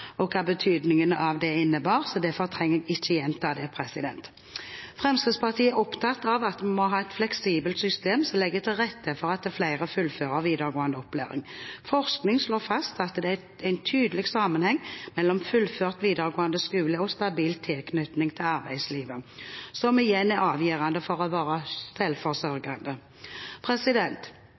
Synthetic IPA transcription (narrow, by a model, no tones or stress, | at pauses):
ɔkʰɑːbət̪ʰyːd̪nɪŋənəʔɑʋd̪ɛɪnːəbɑːʁsɔd̪ɛfɔʁt̪ʰʁɛŋːəɪçːəjɛnt̪ʰɑːd̪ɛpʰʁɛsɪd̪ɛ̰nt̪ | fʁɛmst̪əːspɑʁt̪ʰiːəɔpt̪ʰɑt̪ːɑʋɑt̪mɔɦɑːɛt̪flɛksiːbəlt̪sʏst̪eːmsɔmlɛɡːət̪ʰɪlʁɛt̪ːəfɔʁɑt̪̚d̪ɛflæɪʁəfʉlføːʁəʁʋiːd̪əʁɡoːənd̪əɔpːlḛːʁɪ̰ŋfɔʁsknɪŋsloːfɑst̪ɑt̪d̪ɛæ | æɪnt̪ʰyːd̪əlɪɡsɑmːənhɛŋːmɛlːɔmfʉlføːʁt̪ʋiːd̪əʁɡoːɑnd̪əskʉːləɔst̪ɑbiːlt̪ʰɪlkʰnʏt̪nɪŋt̪ʰɪlɑʁbæɪd̪sliːʋəsɔmɪjɛnːæɾɑːʋjiːʁɑnd̪əfɔʁɔʋɑːɾəsɛlfɔʁsœʁɡɑnd̪ə | pʰʁɛsɪd̪ɛnt̪